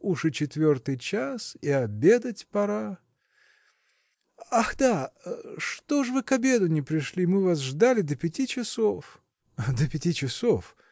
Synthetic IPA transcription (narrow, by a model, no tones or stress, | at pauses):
uʂɨt͡ɕɪt̪vʲo̞rt̪ɨjt͡ɕasiɐbʲe̞d̪ətʲpɐɾa | axd̪aʂt̪oʐvɨkɐbʲe̞d̪ʊnʲɪpɾʲɪʂlʲimɨvas̬ʐd̪alʲɪd̪əpʲɪtʲit͡ɕɪsof | d̪əpʲɪtʲit͡ɕɪsof